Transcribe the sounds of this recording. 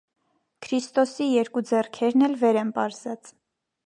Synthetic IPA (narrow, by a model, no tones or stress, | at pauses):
kʰɾist̪ɔsijɛɾkud͡zɛrkʰɛɾnɛlvɛɾɛmpɑɾzɑt͡s